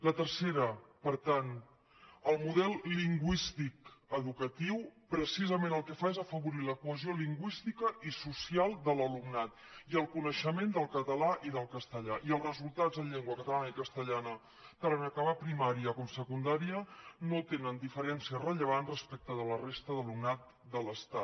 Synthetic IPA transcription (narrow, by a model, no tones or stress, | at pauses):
lət̪əɾseɾəpəɾt̪an | əlˠmuðɛlˠliŋɡwist̪ikəðukət̪iwpɾəsizəmenəlˠkəfaezəfəβuɾiləkuəzioliŋɡwist̪ikəʔisusialˠd̪ələlumnat̪ | iəlˠkunəʃəmend̪əlˠkət̪əlaʔiðəlˠkəst̪əʎaʔiəlˠzrəzulˠt̪azðəʎeŋɡwəkət̪əlanəikəst̪əʎanə | t̪əɾənəkaβapɾimaɾiəkomsəkund̪aɾiənot̪enənd̪ifəɾɛnsiərəʎəβ̞anrəspɛk̚t̪əðələrest̪əðəlumnat̪̚ | d̪ələst̪at̪